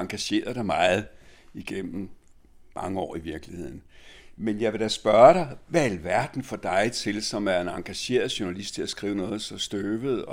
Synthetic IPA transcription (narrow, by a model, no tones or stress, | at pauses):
ɑ̈ŋɡ̥æɕe̝̰ːɐðˠd̥ɑ̈ɪmɑ̈ɪð̩ˠiɡ̥em̰m̩ | mɑ̈ŋəɒ̰ːiʋiɐɡ̥lihe̝ð̰ˠn̩menjɑ̈ɪʋe̝ɾ̥æsb̥ɶːɐɾ̥ɑ̈ɪʋæælʋæɐd̥n̩fɒ̽d̥ɑ̈ɪt͡sʰe̝lsɒ̽mæɐe̝nɑ̈ŋɡ̥æɕe̝̰ːɐð̞̩ˠɕonælisd̥̚t͡sʰe̝æsɡ̥ʁiːʊnɔ̽ːð̩ˠsɒ̽sd̥øːʋð̞̩ˠɒ̽